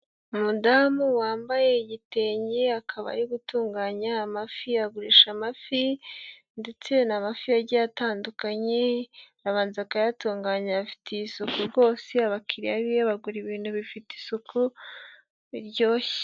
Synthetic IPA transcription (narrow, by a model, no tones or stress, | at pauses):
umudamuwaːmbaje̞iɟite̞ːɲɟeakʰaβa̰ɾiɡutuːŋɡaɲaːmafiaɡuɾiʃamafi | nde̞t͡se̞namafiaɾɟaataːndukaɲe̞ɾaβaːnzakajatuːŋɡaːɲafi̥tʰeisukuɾɡo̞ːseaβakʰiɾiaβijaβaɡuɾiβiːnhuβifiti̥sukʰu | iɾɟo̞ːçe̥